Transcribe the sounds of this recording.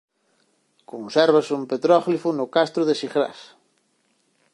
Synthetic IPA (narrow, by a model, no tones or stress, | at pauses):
konsɛɾβasumpet̪ɾɔflifʊnʊkast̪ɾʊðesixɾa̰s